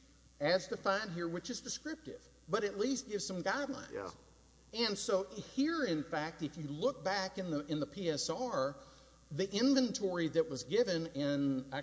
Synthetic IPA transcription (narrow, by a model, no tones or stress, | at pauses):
ɨz̥tɨfãɪ̃nd̚ɦiɹwɨt͡ʃɨzdɨskɹɪp̚tɪ̰v̥ | bʌɾɨtˡlist̚ɡ̥ɪvz̥sʌ̃mɡaɪdˡlã̰ɪ̰̃z̥ | ɨ̃nsoʊhiɹɪ̃nfæk̚tɨfjɨlʊk̚b̥ækɨ̃nðəɨ̃nðəpʰiɛsɑɹ | ðiʔɪ̃ɱvɨ̃ntʰɔɹiðɨt̚wʌzɡɪvɨ̃nɪ̃n